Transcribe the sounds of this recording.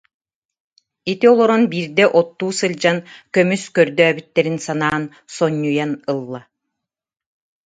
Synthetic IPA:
it̪iɔlˠɔɾɔnbiːɾd̪ɛʔɔt̪ːuːsɯld͡ʑankœmyskœɾd̪œːbyt̪ːɛɾinsanaːn | sɔɲːujanɯlˠːa

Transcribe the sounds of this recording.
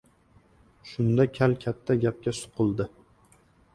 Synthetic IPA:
ʃʊnd̪akʲʰalkʲʰat̪ʰːaɡʲap̚kʲasʊ̥qʰʊlˠd̪ɪ

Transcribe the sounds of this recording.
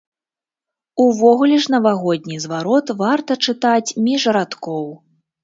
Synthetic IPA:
uvɔɣulʲɛʂnɐvaɣɔd̪̚ʲnʲizvaɾɔt̪vart̪ɐt͡ʂɨt̪at͡sʲmʲiʐɐɾat̪kɔw

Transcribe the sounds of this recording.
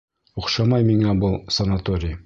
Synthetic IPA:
uχʃɑmɑjmiŋæbɤlˠsɐnat̪oɾʲɪj

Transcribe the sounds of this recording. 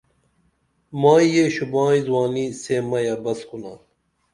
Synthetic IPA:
mãːjeɕubãːĩzwaːniːsemɐjabɐskuna̰

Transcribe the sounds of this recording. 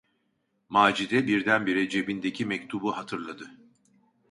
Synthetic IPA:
maːd͡ʒid̪ɛbiɾd̪ænbiɾed͡ʒe̞bind̪e̞cʰimɛct̪ʰubuhat̪ʰɯɾlˠad̪ɯ

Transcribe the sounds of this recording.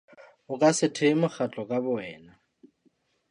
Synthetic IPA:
ʊkʼasɪtʰemʊk͡xʰat͡ɬʼɔkʼabʊɛːna

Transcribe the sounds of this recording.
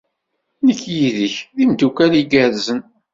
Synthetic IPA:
nəkːjiðəçðimd̪ukæliɡæɾzən

